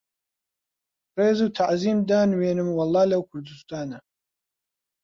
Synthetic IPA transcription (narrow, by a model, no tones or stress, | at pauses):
reːzuwt̪ʰaʕziːmd̪aːnweːnɨmwɑlˠːɑːlɐwkʷʰʊɾd̪ɨst̪aːnɐ